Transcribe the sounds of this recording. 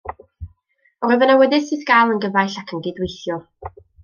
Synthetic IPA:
rɔvənawɛdɪsɨθɡ̥alˠənɡəvajɬakʰənɡɪdwejθjɔ

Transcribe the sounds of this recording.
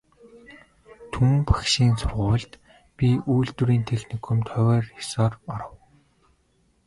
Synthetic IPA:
t̪ʰumpḁkʃiːnt͡sʰʊrʁʊːɮt̪ | pʲiʔujɮt̪ŭɾiːnt̪ʰexnikʰɔ̆mt̪ʰœwœːrxḁsɔːrɔɾə̆w

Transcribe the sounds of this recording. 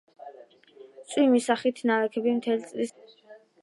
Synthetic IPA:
t̪sʼwimisaχit̪ʰnaɛkʰɛbimt̪ʰɛlit̪sʼlis

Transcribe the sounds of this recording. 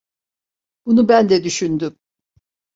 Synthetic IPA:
bunubænd̪ɛd̪yʃynd̪ym

